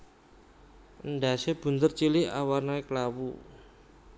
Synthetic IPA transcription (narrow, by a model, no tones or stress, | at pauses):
ʔənɖa̤seb̥ṳnt̪ərt͡ʃilɪha̰warnaiklawu